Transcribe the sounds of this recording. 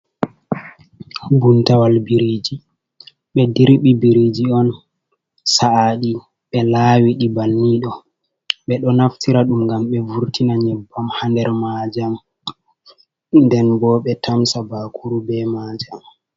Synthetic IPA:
buntawalbiɾid͡ʒi | ɓɛdiɾɓibiɾid͡ʒiɔn | saaɗi | ɓɛlaːwiɗibanːiɗɔ | ɓɛɗɔnaftiɾaɗumŋɡamɓɛvuɾtinaɲɛbːamhandɛɾmad͡ʒam | ndɛnbɔɓɛtʰamsabakʰuɾubɛmaːd͡ʒam

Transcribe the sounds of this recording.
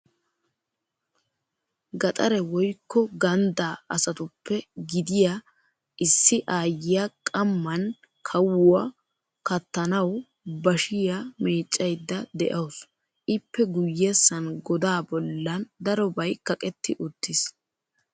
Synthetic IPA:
ɡɐt̪ʼɐɾɛwɔjkːɔɡɐnd̪aːɐsɐt̪ʊpːɛɡɪd̪ɪja | ʔɪsːɪʔaːjːɪjakʼɐmːɐn | kʰɐwʊɐ | kɐt̪ːɐnɐw | bɐʃɪjame̞ːt͡ʃʼːɐjd̪ːɐd̪ɛʔɐws | ʔɪpːɛɡʊjːesːɐnɡɔd̪aːbɔlːɐnd̪ɐɾɔbɐjkɐkʼɛt̪ːɪʔʊt̪ːɪs

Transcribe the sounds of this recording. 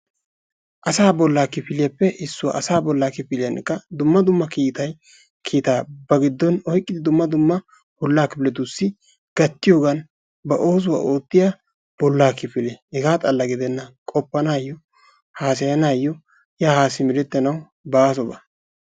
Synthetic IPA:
ʔɐsaːbɔlːaːkɪpɪlɪjɐpːɛʔɪsːʊwɐ̰ʔɐsaːbɔlːaːkɪpɪlɪjɐnkːɐd̪ʊmːɐd̪ʊmːɐkiːt̪ɐj | kʰiːt̪aːbɐɡɪd̪ːɔnɔjkʼːɪd̪ɪd̪ʊmːɐd̪ʊmːɐ | b̥ɔlːaːkɪplɛt̪usːɪ | ɡ̥ɐt̪ːɪjoːɡɐn | bɐʔo̞ːs̬ʊwa̰ːʔoːt̪ːɪja | b̥ɔlːaːkɪpɪlɛhɛɡaːt̪ʼɐlːɐɡɪd̪ɛnːɐkʼɔpːɐnaːjːɔ | haːsɐjɐnaːjːɔ | jaːhaːsːɪmɪɾɛt̪ːɛnɐw | baːs̬ɔbɐ̰

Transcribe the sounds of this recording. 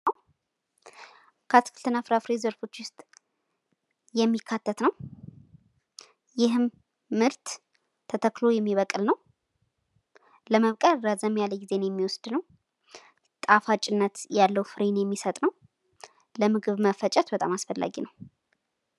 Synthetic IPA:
a | kʰat̪kʰɨlt̪ʰɨnːafɨɾafɾezəɾfo̞t͡ʃːwʊst̪ʼ | jɛmːikʰːat̪ʰːət̪nəw | jɪɦɨmː | ɨɾt̪ | t̪ʰːət̪ʰəklo̞jɛmːiβəkʼɨlnəw | ləməβkʼəɾəzəmjaləɡize̞njɛmːiwɔsd̪̥nəw | t̪ʼafat͡ʃʼɪnːət̪jalːəwfɨɾenjɛmːisət̪ʼnəw | ləmɨɡɨβməfət͡ʃʼɛt̪bət̪ʼamasfəlːa̰ɡinəw

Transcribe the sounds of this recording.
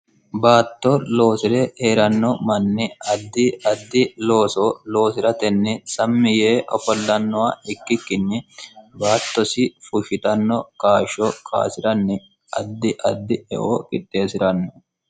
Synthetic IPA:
baːt̪ːɔlo̞ːsɪɾɛʔeːɾɐnːɔmɐnːɪɐd̪ːɪɐd̪ːɪlo̞ːsɔlo̞ːsɪɾɐt̪ɛnːɪsɐmːɪjeːʔɔfɔlːɐnːɔwaɪkːɪkːɪnːɪbaːt̪ːɔsɪfʊʃɪt̪ɐnːɔkaːʃɔkʰa̰ːsɪɾɐnːɪ | ɐd̪ːɪʔɐd̪ːɪɛ̰ʔo̰ːkʼɪtːe̞ːsɪɾɐnːɔ

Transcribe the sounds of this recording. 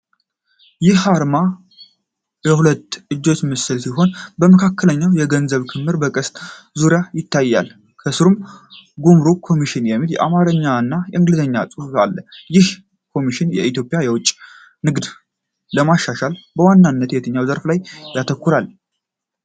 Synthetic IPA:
jɪhaɾma | jɛhulət̪ːʔɨd͡ʒːo̞t͡ʃːmɨsɨlsiɦo̞nbəməkʰakːələɲːawjɛɡənzəβkʰɨmːɨɾbəkʼəst̪ʼ | zuɾjajɪt̪ʰːajːa̰l | kʰəsɨɾumɡumɾokʰo̞miʃɪnjɛmːiljɛ̰ʔa̰maɾəɲːaɨnːajɛʔɨŋɡlɨzəɲːasʼɨfualːəjɪh | kʰo̞miʃɪnjɛ̰it̪ʰjo̞pʼjajɛwʊt͡ʃʼː | nɨɡd̪ | ləmaʃːaʃalbəwanːanːət̪jɛt̪ʰəɲːawzəɾflajːat̪ʰəkːuɾal

